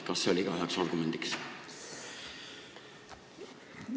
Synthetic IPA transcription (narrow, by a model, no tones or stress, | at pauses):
kɑsːeolʲiiɡ̥ɑhɑksɑrɡ̥umend̪̥iks